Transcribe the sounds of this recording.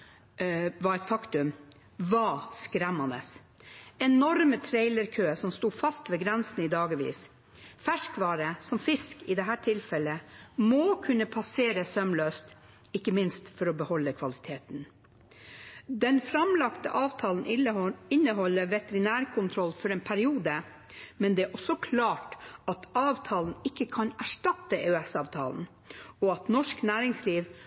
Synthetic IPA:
ʋɑɾæɪt̪fɑkt̪ʉm | ʋɑskɾɛmːɑnə̰s | ɛnɔɾmət̪ʰɾeɪləɾkʰøːəsɔmst̪uːfɑst̪ʋɛːɡɾɛnsn̩id̪ɑːɡəʋḭːs | fæʂkʋɑːɾəsɔmfɪskɪd̪ɛɦæːʈʰɪlfɛləmokʰʉnːəpʰɑseːɾəsœmløːst̪ | ɪkːəmɪnst̪fɔɾɔbəhɔlːəkʰʋɑlɪt̪ʰeːt̪n | d̪ɛnfɾɑmlɑkt̪ə̰ʔɑːʋt̪ʰɑːln̩ɪnːəɦɔlːəʋɛt̪əɾɪnæːɾkʰʊnt̪ʰɾɔlfɔɾeːnpʰæɾɪuːd̪ə | mɛnd̪ɛæʔɔsɔkʰlɑːʈɑt̪ɑːʋt̪ʰɑːln̩ɪkːəkʰɑnæʂʈɑt̪ːəeːʉɛsɑːʋt̪ʰɑ̰ːln̩ | ɔɑt̪nɔʂknæːɾɪŋsliːʋ

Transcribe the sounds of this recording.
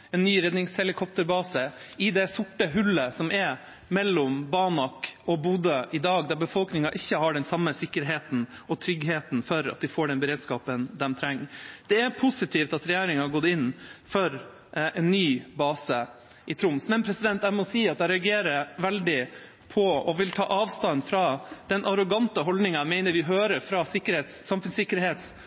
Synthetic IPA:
ɛnːyːɾɛd̪nɪŋshɛlɪkʰɔp̚t̪əɾbɑːsəɪd̪ɛsʊʈːəɦʉlːəsɔmʔɛɾ | mɛlːɔmbɑnɑkɔbuːd̪əʔɪd̪ɑːɡd̪æɾbəfɔlknɪŋɑʔɪçːəhɑɖɛnsɑmːəsɪkːəɾɦeːt̪n̩ɔt̪ʰɾʏɡɦeːt̪n̩fɔɾɑ̰t̪̚d̪ɪfoːɖɛnbəɾeːd̪skɑːpənd̪ɛmt̪ʰɾɛŋːd̪̥ɛæɾpʰʊsɪt̪ʰiːft̪ɑt̪ɾɛjeːɾɪŋhɑɡɔd̪ːɪnːfɔɾ | ʔɛnːyːbɑːsə | ʔɪt̪ʰɾʊmsmɛnpʰɾɛsɪd̪ɛnt̪æmɔsiːɑt̪̚d̪æɪɾɛɑɡeːɾəʋɛld̪ɪ | pʰɔɔʋɪlt̪ʰɑ̰ːʔɑːʋst̪ɑnːfɾɑd̪̥ɛnʔɑɾɔɡɑnt̪əɦɔld̪nɪŋɑmeɪnəɾʋɪɦøːɾəɾfɾɑːsɪkːəɾeːt̪sːɑmfʉnsɪkːəɾɦeːt̪s

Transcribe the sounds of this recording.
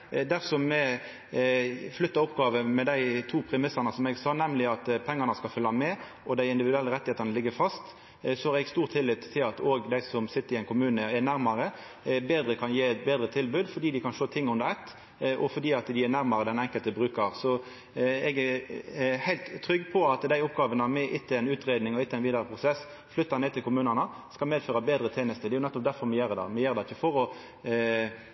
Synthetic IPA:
d̪æʁfsɔmɛ | flʏt̪ːɑɔpːɡɑːʋəmɛd̪æɪt̪ʰuːpʰɾɛmɪsɑnəsɔmɛɡsɑːnɛmlɪɑt̪pʰɛŋːɑnəskɑlfœlːɑmɛ | ʔɔd̪æɪɪnd̪ɪʋɪd̪ʉɛlːəɾɛt̪ɪheːt̪ɑnəlɪɡːəfɑst̪ | sɔhɑːɾɛɡst̪uːʁt̪ʰːɪlːɪt̪ʰːɪlɑt̪oːɡd̪æɪsɔmsɪt̪ːəɾɪæɪnkʊmʉːnəɛnæɾmɑɾə | beːd̪ɾəkʰɑnjeːɛt̪̚beːd̪ɾət̪ʰɪlbʉːd̪fɔɖ̪iːd̪ɪkɑnʃoːt̪ʰɪŋːʊnd̪əɾɛt̪ː | ʔɔfɔd̪iːɑt̪d̪ɪænæɾmɑɾəd̪ɛnɛŋkəlt̪əbɾʉːkɑɾsɔ | ɛɡæɾhæɪlt̪tʰːɾʏɡːəpʰɔɑt̪d̪æɪʊpɡɑːʋənəmɛʔɪt̪ːəɛnʉːt̪ʁeːd̪nɪŋɔɪt̪ːəɛɪnʋiːd̪ɑɾəpʰʁʊsɛsː | flʏt̪ːɑneːdt̪ʰɪlkʰʊmʉːnɑnə | skɑlmeːd̪føːɾɑbeːd̪ɾət̪ʰeːnəst̪əd̪ɛjʊnɛt̪ːɔp̚d̪æɾfɔɾmɛjeːɾəd̪ɑ̰ːmɛjeːɾd̪æɪːəfɔɾɔ

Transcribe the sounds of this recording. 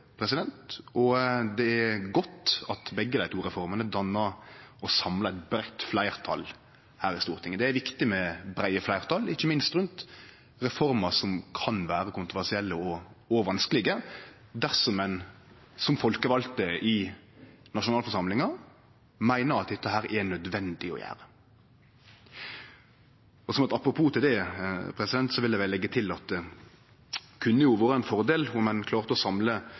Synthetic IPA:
pʰɾɛsɪd̪ɛnt̪ɔd̪ɛæɡɔt̪ɑt̪bɛɡːəd̪æɪt̪ʰuːɾɛfɔɾmənəd̪ɑnːəɾɔsɑmlɑɛt̪̚bɾæt̪flæɪʁt̪ʰɑ̰l | hæːɾɪst̪uːʁt̪ʰɪŋːəd̪ɛæɾʋɪkt̪ɪmɛbɾæɪəflæɪʁt̪ʰɑlɪçːəmɪnst̪ɾʉnt̪ | ɾɛfɔɾmɑsɔmkʰɑnʋæːɾəkʊnt̪ʁʊʋæʁsɪɛlːəɔoʋɑnskəlɪɡə | d̪æʁsɔmɛn | sɔmfɔlkəʋɑlt̪əɪ | nɑʂʊnɑːfɔɾʂɑmlɪŋɑ | mæɪnəɾɑt̪̚d̪ɛt̪ːəɦæːɾʔɛnœd̪ʋɛnd̪ɪɔ̰jæ̰ːɾə | ɔsɔmɑt̪ɑpɾʊpʰuːt̪ɪd̪ɛpʰɾɛsɪd̪ɛnt̪sɔʋɪld̪ɛʋɛlːɛɡːət̪ʰɪlɑt̪̚ | kʰʉnːəjʊʋoːɾəɛnfɔɾd̪eːlʊmːɛnkʰlɑːʁt̪əɔsɑmlə

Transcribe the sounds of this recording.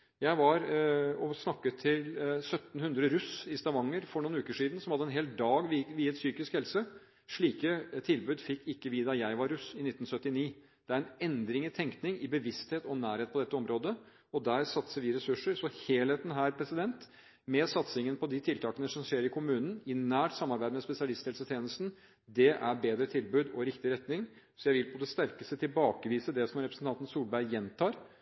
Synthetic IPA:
jæɪʋɑɾɔsnɑkːət̪ʰɪlsœt̪n̩hʉnd̪ɾəɾʉsɪst̪ɑʋɑŋːəɾfɔɳuːnʉːkəʂiːd̪n̩sɔmhɑd̪ːəɛnɦeːlt̪̚d̪ɑːɡʋʋiːəɛt̪syːkɪskhɛlsə | ʂɭiːkət̪ʰɪlbʉːd̪fɪkːɪkːəʋɪd̪ɑjæɪʋɑɾːʉsɪnɪt̪ːn̩sœt̪ːɪniː | d̪̥ɛæɾɛnɛnd̪ɾɪŋɪt̪ʰɛŋk̪nɪŋɪbəʋɪst̪heːt̪ɔnæːɾheːt̪̚pɔd̪ɛt̪ːəɔmɾoːd̪ə | ɔd̪æɾsɑt̪səɾʋɪɾɛsʉʂːəɾsɔheːlheːt̪nɦæːɾpʰɾɛsɪd̪ɛnt̪ | mɛsɑt̪sɪŋənpʰɔd̪ɪt̪ʰɪlt̪ʰɑːkənəsɔmʂeːɾɪkʰʊmʉːnən̩ɪnæːʈsɑmːɑɾbæɪd̪əmɛspɛsɪɑlɪst̪ʰɛːlsət̪ʰjeːnəst̪n̩ | d̪ɛʔæɾbeːd̪ɾət̪ʰɪlbʉːd̪ɔɾɪkt̪ɪɾɛt̪nɪŋ | sɔjæɪʋɪlpʰɔd̪ɛst̪æɾkəst̪ət̪ʰɪlbɑːkəʋiːsəd̪ɛsɔmɾɛpɾəsn̩t̪ʰɑnt̪n̩suːlbæɾɪjɛnt̪ʰɑːɾ

